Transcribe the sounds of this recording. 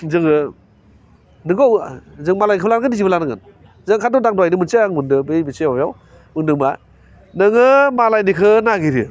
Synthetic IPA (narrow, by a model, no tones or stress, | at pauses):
zɯŋɯ | nɯɡowzɯŋmalajkʰɯblanɡɯnizibəlanɯŋɯ̰n | zɯŋkʰatɔdaŋdɔwajnɯmɯnseaŋundɯbɯbɯsebabjaw | mɯŋdɯŋba̰ | nɯŋɯmalajnikʰɯnaɡiɾɯ̰